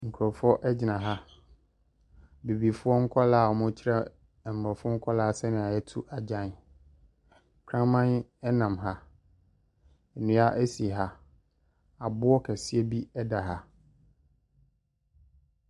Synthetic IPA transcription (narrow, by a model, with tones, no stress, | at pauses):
ŋ̩˨kʰɔ˨fʊ˦ɔ˦ʔɛ˦d͡ʑɪ˨nã˨ɦa˦ | be˨bi˨fʊ˦ɔ˦ŋ̩˦kʰɔ˦laː˦˨ɔ˨mʊ̃˦t͡ɕʰɪ˦ɾɛ˦˨ | m̩˨bɔ˨fʊ˦ŋ̩˦kʷʰɔ˦laː˦a˦sɛ˦nɪ̃˨a˨jɛ˦tʰu˦ʔa˨d͡ʑã˦˨n˨ | kʰɾã˦mã˦n˦ɛ˦nã˨mɦa˦ | ɛ˨nũ˨˦a˦ʔæ˦si˨ɦa˦ | a˨bʊ˦ɔ˦kʰɛ˨sɪ˦ɛ˦bi˦ɛ˦da˨ɦa˦